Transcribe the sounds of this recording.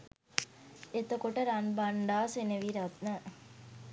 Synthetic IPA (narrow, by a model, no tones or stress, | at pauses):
et̪əkoʈəɾanbaɳɖaːsenəʋiɾat̪nə